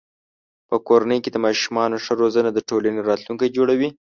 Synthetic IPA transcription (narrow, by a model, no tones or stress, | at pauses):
pəkoɾanəjked̪əmɑʃumɑnoʂəɾozənad̪əʈolaneɾɑt̪luŋkajd͡ʒoɽawi